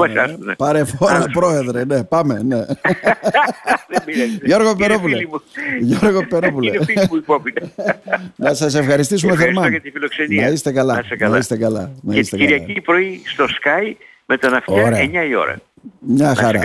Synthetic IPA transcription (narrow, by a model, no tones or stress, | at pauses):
oɐnepɐɾefoɾɐpɾo̞e̞ðɾene̞pɐme̞ne̞ | ʝo̞ɾɣopeɾopuleʝoɾɣopeɾopuleuipopit̪ | nɐsɐs̬e̞fxɐɾist̪is̬umeθeɾmɐɐt̪ifilokseninɐist̪e̞kɐlɐsekɐlɐist̪e̞kɐlɐ̰nɐist̪ekiɾʝɐipɾo̞ist̪o̞skɐj | me̞t̪onɐfoɐɾeɐeɲɐio̞̰ɾɐ̰ | mɲɐxɐɾɐ̰